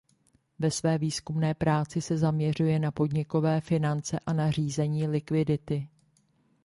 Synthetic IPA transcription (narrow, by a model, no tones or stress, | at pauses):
vɛsvɛːviːskumnɛːpɾaːt͡sɪsɛzamɲɛr̝ujɛnapo̞dɲɪko̞vɛːfɪnant͡sɛʔanar̝iːzɛɲiːlɪkvɪdɪt̪ɪ